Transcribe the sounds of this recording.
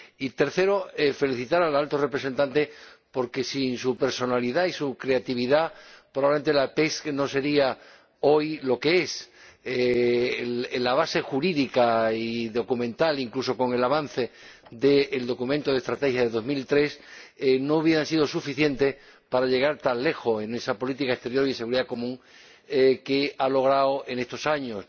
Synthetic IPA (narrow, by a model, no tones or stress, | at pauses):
it̪e̞ɾθe̞ɾo̞efe̞liθit̪aɾalalt̪ore̞pɾe̞se̞nt̪ant̪e̞po̞ɾke̞sinsupe̞ɾso̞naliðaisukɾe̞at̪iβiðapɾoaβement̪e̞lape̞skno̞se̞ɾia | o̞jlo̞ke̞ese | laβ̞ase̞xuɾiðikaiðo̞kumẽ̞nt̪aliŋkluso̞ko̞ŋe̞laβan̟θe̞d̪e̞ːld̪o̞kumẽnt̪oð̞est̪ɾat̪e̞xjaðeðo̞milt̪ɾe̞sno̞uβ̞jeɾansiðo̞sufiθje̞nt̪e̞ | paɾaʎe̞ɣ̞aɾt̪anle̞xo̞e̞ne̞sapo̞lit̪ikae̞st̪e̞ɾjo̞ɾiðese̞ɣuɾiðako̞mũŋ | ke̞alo̞ɣ̞ɾaoe̞ne̞st̪o̞saɲo̞s